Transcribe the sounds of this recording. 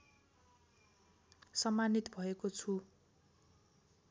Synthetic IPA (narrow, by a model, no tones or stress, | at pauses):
sʌmːanit̪bʱʌekot͡sʰu